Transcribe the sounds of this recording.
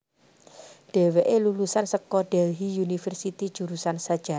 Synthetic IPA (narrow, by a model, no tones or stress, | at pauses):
d̥e̤weʔelulusansəkɔɖ̥ɛlɦijunifərsit̪id̥ʒ̥ṳɾusansad̥ʒ̥a